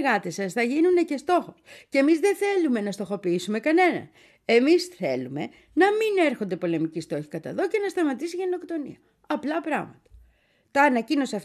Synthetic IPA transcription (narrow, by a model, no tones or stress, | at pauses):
ɣɐt̪isɐsθɐʝinund̪e̞ce̞st̪o̞xo̞scemizðe̞θe̞lume̞nɐst̪o̞xo̞piisume̞kɐne̞nɐ̰n | e̞misθe̞lume̞̰ | nɐmine̞ɾxo̞nd̪e̞po̞le̞micist̪o̞çi̥kɐt̪ɐ̰ðo̞ce̞nɐst̪ɐmɐt̪isiʝe̞no̞kt̪o̞nḭɐ | ɐplɐpɾɐ̰ɣmɐ̰t̪ɐ̥ | t̪ɐːnɐcino̞siɐf